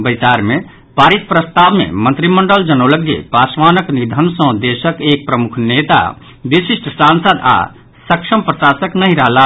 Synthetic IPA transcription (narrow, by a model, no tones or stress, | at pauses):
bəɪsaːɾmẽ | paːɾit̪̚pɾəst̪aːbmḛ̃mə̃nt̪ɾiməɳɖəld͡ʒənoləɡjḛpaːsʋaːnəknid̪ʱənsə̃d̪eʃəkeːk̚pɾəmukʰneːt̪a̰ | ʋisisʈsãːnsəd̪a̰ | səkʃʰəmpɾəsaːsəknəɦĩɾəɦla